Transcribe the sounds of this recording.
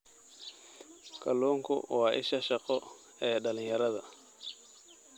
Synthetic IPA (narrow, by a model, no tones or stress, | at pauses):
kʰɐluːŋkʰʊ̰wɑːʔɪ̰ʃɐʃɐqɔ | ɛːɖɐlɪɲjɐɾɐðɐ